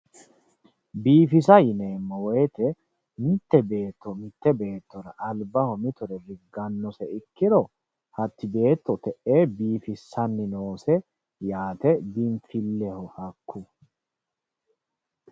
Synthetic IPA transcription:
biːfɪsɐjɪneːmːɔwɔjt̪ɛ | mɪt̪ːɛbe̞ːt̪ːɔmɪt̪ːɛbe̞ːt̪ːɔɾɐʔɐlbɐhɔmɪt̪ɔɾɛɾɪɡːɐnːɔsɛɪkːɪɾɔ | hɐt̪ːɪbe̞ːt̪ːɔt̪ɛʔeːbiːfɪsːɐnːɪnoːsɛ | jaːt̪ɛd̪ɪnfɪlːɛhɔhɐkːʊ

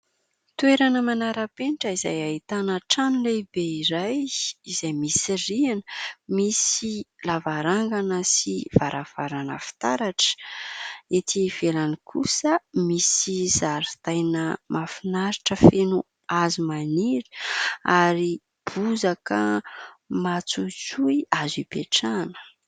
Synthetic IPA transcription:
t̪ueɾanəmanaɾapeniʈ͡ʂəizajaɦit̪anəʈ͡ʂanlebeiɾajizajmisirianə̥misilavaɾaŋɡanəsiv̥aɾʔav̥aɾanə̰fi̥t̪aɾaʈ͡ʂə̥ | et̪ʰiv̥elanikʰusəmisiz̥aɾit̪ajnəmafinaɾiʈ͡ʂəfenu | azumaniɾə̥aɾi | b̥uzakə | mat͡sut͡suiazibeʈ͡ʂanə̥

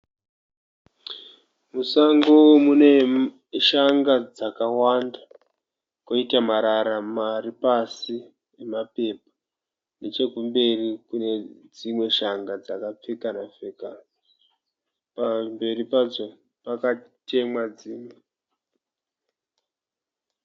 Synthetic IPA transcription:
musaŋɡowomune̞ | ʃaŋɡad͡zakawanda | koitamaɾaɾamaripasi | emape̞pḁ | ne̞t͡ʃe̞kumbe̞rikune̞d͡zimwe̞ʃaŋɡad͡zakap͡fekanafekan | pambe̞ripad͡zo̞ | pakate̞mwad͡ziːmwe

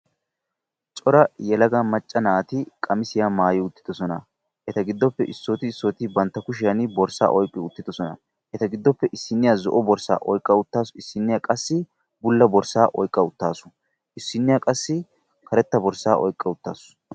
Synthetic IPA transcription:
t͡ʃʼɔɾɐjɛlɐɡɐmɐt͡ʃʼːɐnaːt̪ɪkʼɐmɪsɪjamaːjɪʊt̪ːɪ̥d̪ɔsɔnɐ | ʔɛt̪ɐɡɪd̪ːɔpːɛʔɪsːoːt̪ɪːsːoːt̪ɪbɐnt̪ːɐkʊʃ̬ɪjɐnbɔɾsa̰ːʔɔjkʼːɪʊt̪ːɪd̪ɔsɔnɐ̰ | ʔɛt̪ɐɡɪd̪ːɔpːɛʔɪsːɪnːɪjazɔ̰ʔɔbɔɾsa̰ːʔɔjkʼːɐʊt̪ːaːsʊɪsːɪnːɪjakʼɐsːɪ | bʊlːɐbɔɾsaːʔɔjkʼːɐʊt̪ːaːsʊ̥ | ʔɪsːɪnːɪjɐkʼɐsːɪ | kʰɐɾɛt̪ːɐbɔɾsaːʔɔ̰jkʼːɐʊt̪ːa̰ːsʊ̥

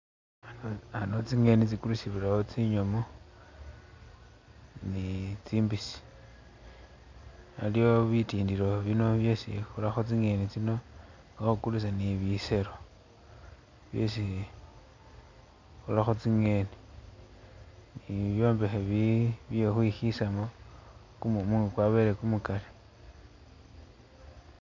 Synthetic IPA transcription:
anot͡siŋe̞nit͡sikulusiβilaot͡siɲomo | nit͡siːmbisi̥ | alio̞βitiːndiɾo̞βino̞βjesḭxulaxot͡siŋe̞nit͡sino | axukulus̬aniβise̞ɾo | βjosi | xulaxot͡siŋe̞ni | niβjo̞ːmbe̞xeβiβjexwixisamo | kumumuːŋukwaβeɾekumukale

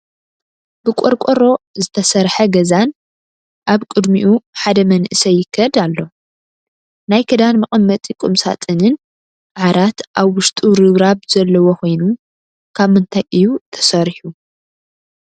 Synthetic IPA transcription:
b̥ɨkʼoɾkʷʼoɾo̞zɨt̪ʰɐsɐɾħɐɡɐzan | ʔaβkʼɨd̪miʔuħad̪ɐmɐnʔɨsɐjɪkʰːɐd̪alːo̞ | najkʰɐd̪anmɨχʼɨmːɐt̪ʼikʼumsa̰t̪ʼɨnɨn | ʔaʕɾat̪ʔaβwʊʃt̪ʼuɾɨβɾaβz̥ɐlːɐwokʰo̞jnu | kʰaβmɨnt̪ʰajʔɨjut̪ʰɐ̥sɐɾħu

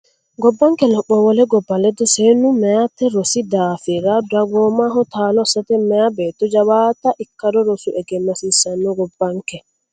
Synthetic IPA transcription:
ɡɔbːaŋkɛlɔɓːɔwɔlɛɡɔbːalɛd̪ɔsɛnumɛatɛɾɔsidaːfiɾadaɡɔmaɦɔt̪aːlɔsatɛmɛabɛt̪ɔd͡ʒawaːtaʔikːadɔɾɔsuʔɛɡɛnːasisanːɔɡɔbːaŋkɛ

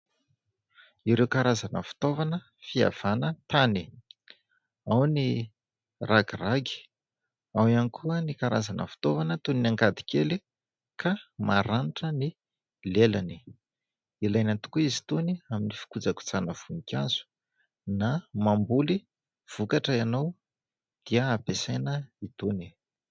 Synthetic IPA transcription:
iɾewkaɾazanə̰fi̥t̪ovanə | fia̰v̥anət̪ani | awni | raɡiraɡi̥ | awianikʰuənikaɾa̰zanə̰fi̥t̪ovanət̪uninaŋɡad̪i̥kʰeli | kʰamaɾaniʈ͡ʂəni | lelani̥ | ilajnant̪u̥kuizit̪uniaminifi̥kud͡zaku̥t͡sanəv̥unikʲazu̥ | namambuli | v̥ukaʈ͡ʂəanaw | d̪̥iəːpesenəit̪uni̥

